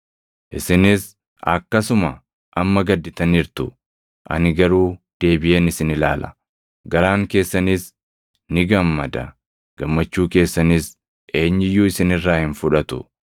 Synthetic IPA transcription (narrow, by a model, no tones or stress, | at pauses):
ʔɪsɪnɪs | ɐ̰kːɐsʊmɐ | ʔɐmːɐɡɐd̪ːɪt̪ɐniːɾt̪ʊ | ʔɐ̰nɪɡɐɾuːd̪̥e̞ːbɪʔeːnɪsɪnɪlaːlʔɐ̥ | ɡɐɾaːŋke̞ːsːɐniːs | nɪɡɐmːɐd̪ɐ̰ | ɡ̥ɐmːɐt͡ʃːuːke̞ːsːɐniːs | ʔe̞ːɲːɪjːuːɪsɪnɪrːaːhɪnfʊᶑɐt̪ʊ̰